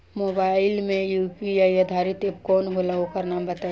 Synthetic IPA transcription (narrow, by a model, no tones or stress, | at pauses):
moːbaːɪlmẽjuːpijaiəd̪ʱaːɾɪt̪eb̚kɔːnɦoːlaokɐɾnaːmbət̪a